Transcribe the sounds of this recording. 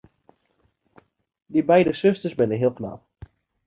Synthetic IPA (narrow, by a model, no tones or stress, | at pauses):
dibɛjdəsɵstəɹsbɪnənɦiːəlˠkna̰p